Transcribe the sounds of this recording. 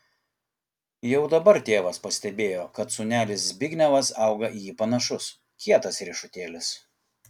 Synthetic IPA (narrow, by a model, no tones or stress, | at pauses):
jɛʊd̪ɐbɐɾt̪ʲeːʋɐspɐsʲt̪ʲɛbʲeːjoːkɐt̪sʊnʲæːlʲɪsbʲɪɡʲnʲɛʋɐsɐˑʊɡɐʔipɐnɐʃʊs | kʲiɛt̪ɐsɾʲɪʃʊt̪ʲeːlʲɪs